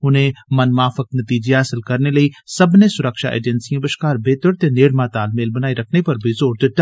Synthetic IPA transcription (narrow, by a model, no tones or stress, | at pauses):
ʊnɦẽmɐnmaːfɪknɐt̪iːd͡ʒeɦaːsɪlkɐɾnelɐisɐbnesʊɾəkʃa̰ʔḛːd͡ʒənsijãbɪʃkaːɾbeːt̪əɽt̪eneːɽmãːt̪aːlmeːlbɐnaːiɾɐkʰnepɐɾbʱizoːɽd̪ɪt̪ːa